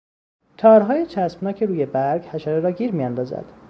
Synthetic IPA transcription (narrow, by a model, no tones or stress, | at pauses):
t̪ʰɒːɾɦɒːjet͡ʃʰæsbnɒːcʰeɾuːje̞bæɾɡhæʃæɾeɾɒːɡiːɾmijænd̪ɒːzæ̰d̪̥